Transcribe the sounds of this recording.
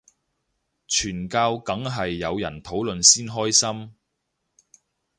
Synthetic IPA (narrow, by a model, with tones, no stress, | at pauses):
t͡ʃʰyː˨˩nkaː˧wkɐ˨˥ŋɦɐ˨jːɐ˨˧wjɐ̰˨˩nt̪ʰo˨˥wlɵ˨nsiː˥nɦɔː˥jsɐ˥m